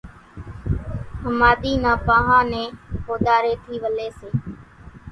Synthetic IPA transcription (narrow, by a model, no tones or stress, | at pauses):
həmaːɗ̪iːnãːpãːɦãːnẽːhoːɗ̪aːɾeːt̪ʰiːʋəleːseː